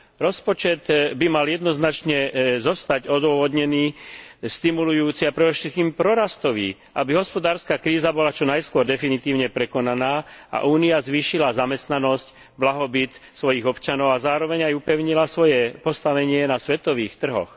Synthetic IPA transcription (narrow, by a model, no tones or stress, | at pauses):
ɾɔspɔt͡ʃɛd̪bimaljɛd̪nɔznat͡ʃɲɛzɔst̪aɟɔd̪ʊɔʋɔd̪ɲɛniːst̪imulujuːt͡siapɾɛd̪ɔʃɛt̪̚kiːmpɾɔɾast̪ɔʋḭː | ʔabiɦɔspɔd̪aːɾskaːkɾiːzabɔlat͡ʃɔnajskʊɔɾd̪ɛfinit̪iːʊɲɛpɾɛkɔnanaːa̰ʔuːniazʋiːʃilazamɛst̪nanɔsc | blaɦɔbit̪sʋɔjiɣɔpt͡ʃanɔʊazaːɾɔʋɛɲajupɛʊɲilasʋɔjɛpɔst̪aʋɛɲɪɛnasʋɛt̪ɔʋiːxt̪r̩ɦɔ̰x